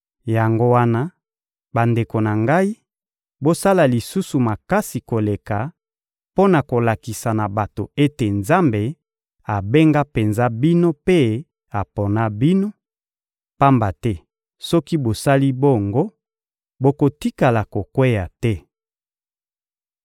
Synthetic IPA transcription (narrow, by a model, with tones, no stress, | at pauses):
ja˨ŋɡo˦wa˦na˦ | ba˨nde˨ko˨na˨ŋɡa˦i˦ | bo˦sa˦la˨li˨su˦su˨ma˨ka˦si˨ko˨le˨ka˨ | po˦na˨ko˨la˨ki˨sa˨na˨ba˨to˨e˦te˨nza˦mbe˨ | a˨be˦ŋɡa˦pe˨nza˦bi˦no˦pe˦ | a˨po˨na˦bi˦no˦ | pa˦mba˨tɛ˦ | sɔ˦ki˦bo˨sa˦li˦bo˦˨ŋɡo˦ | bo˨ko˨ti˦ka˨la˨ko˨kwe˦ja˨tɛ˦